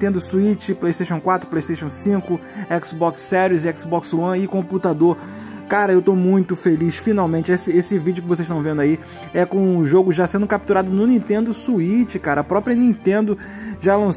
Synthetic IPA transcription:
t̪ẽnd̪ʊsuit͡ʃɪplejʃt̪eʃõw̃kwat̪ɾʊplejʃt̪eʃɐ̃w̃sĩkʊɛksbɔksːɛɾiʊzɪɛksbɔkswɐ̃ɪkõput̪ad̪oɾ | kaɾɐewt̪omũj̃t̪ʊfeliʃfinawmẽnt͡ʃɪesɪesɪvid͡ʒʊkɪvosezʃt̪ɐ̃w̃vẽnd̪ʊai | ɛkõʊʒoɡʊʒasẽnd̪ʊkap̚t̪uɾad̪ʊnʊnĩt̪ẽnd̪ʊsuit͡ʃɪkaɾɐːpɾɔpɾiɐnĩt̪ẽnd̪ʊ | ʒalɐ̃s

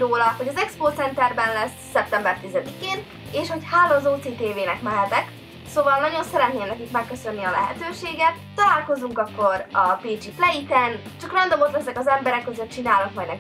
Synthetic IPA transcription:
roːlɒho̞ɟɒzɛkspoːt̪sɛnt̪ɛrbɛnlɛsːɛp̚t̪ɛmbɛrt̪izɛd̪ikeːn | eːʃho̞chaːloːzoːt̪seːt̪eːveːnɛkmɛlɛt̪ɛk | soːvɒlnɒɟo̞nsɛɾɛt̪neːnɛkikmɛkːøsø̞nːiɒlɛ̰ɦɛ̰t̪øːʃeːɡɛt̪ːɒlaːlko̞zuŋkɒkːo̞ɾɒpeːd͡ʒiflɛit̪ɛn | t͡ʃɒkrɛnd̪omot̪lɛsɛkɒzɛmbɛɾɛkːøzøt̪̚t͡ʃinaːlɒkmɒjd̪ɛ

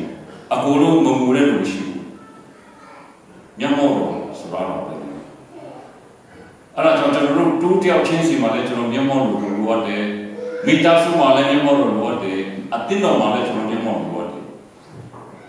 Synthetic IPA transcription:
ʔəkolo̰məmuɾɛ̰d̪uməʃḭbṵ | mjãʔmɔ̃dɔsoɾa̰ʔɾa̰bɛ̰ | ʔɛ̰ɾad͡ʑãʊ̃t͡ɕənɔɾo̰totəjaʊʔt͡ɕʰɪ̃sʰĩmalɛt͡ɕənɔmjãmɔ̃dodoloʔatːɛmetasõmalɛmjãmɔ̃ɔloʔatːɛʔət̪ɪ̃t̪ɔ̃malɛt͡ɕənɔ̰jãmɔ̃o̰ʔa̰tːɛ̰

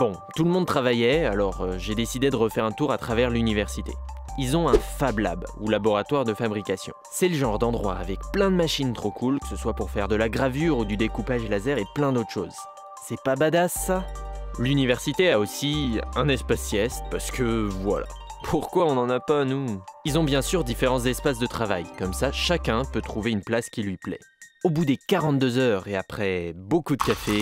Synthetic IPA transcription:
b̥ɔ̃t̪uləmɔ̃d̪̚t̪χavajɛalɔʁøʒed̪esid̪ed̪əʁəfɛʁɛ̃t̪uʁat̪χavɛʁlynivɛʁsit̪ḛilzɔ̃ɛ̃fabla̰bṵlabɔʁat̪waʁd̪əfabʁikasjɔ̰̃sɛləʒɑ̃ʁd̪ɑ̃d̪ʁwa̰ːvɛkplɛ̃d̪əmaʃint̪χokʰulkə̥səswapuʁfɛʁd̪əlaɡʁavyʁud̪yd̪ekupaʒlazɛʁeplɛ̃d̪ot̪χə̥ʃo̰ːz | sɛpabad̪asːalynivɛʁsit̪eaosiɛ̃nɛspasjɛst̪paʁsə̥kəvwa̰la̰ | pʰuʁkwaɔ̃nɑ̃napanuilzɔ̃bjɛ̃syʁd̪ifeʁɑ̃sd̪ɛspas̬d̪ət̪χavajkɔmsaʃakʲɛ̃pøt̪χuveynplaskʲilɥiplɛ̰obud̪ekaʁɑ̃t̪̚d̪øzœʁeapχɛbokud̪əkafe

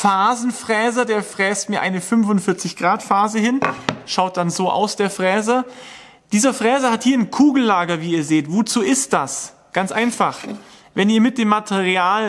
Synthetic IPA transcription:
faːzn̩fʁ̥ɛːzɐdeːɐfʁ̥ɛːstmiːɐʔaɪnəfʏnvʊntfɪɐt͡sɪçɡ̥ʁaːtfaːzəhɪnʃaʊt̚d̥anzoːʔa̰ʊsd̥eːɐfʁ̥ɛːzɐ | d̥iːzɐfʁ̥ɛːzɐhathiːɐnkʰuːɡl̩laːɡɐviːiːɐzeːtvoːt͡suːɪst̚d̥as | ɡ̥ant͡sʔaɪnfaχ | vɛniːɐmɪt̚d̥eːmːatʰɛʁiaːl

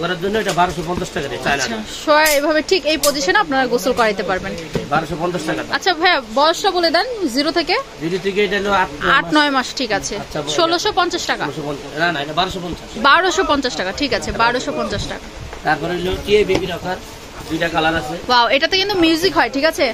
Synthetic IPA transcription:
kɔɾaɾd͡ʑonːoeʈabaɾoʃopɔnt͡ɕasʈakaɾet͡ɕaenaʃoejbʱabeʈʰikejpod͡ʑiʃanapnaɾaɡosulkɔɾad̪it̪epaɾbenbaɾoʃɔpɔnt͡ɕasʈakat̪atːʃʰaɦɛ̃bɔoʃnaboled̪ɛnziɾot̪ʰekeziɾit̪ʰikeeʈaloaʈaʈnɔemaʃʈʰikat͡ɕʰeʃolːoʃopɔnt͡ɕaʃʈaka̰ʃopɔnananaeʈabaɾoʃopɔnt͡ɕaʃbaɾoʃopɔnt͡ɕaʃʈakaʈʰikat͡ɕʰebaɾoʃopɔnt͡ɕaʃʈaka | t̪aɾpɔɾeloʈiebibiɾɔkaɾ | d̪ujʈakalaɾasʰewaweʈat̪okint̪umjiuzikɦɔeʈʰikat͡ɕʰe

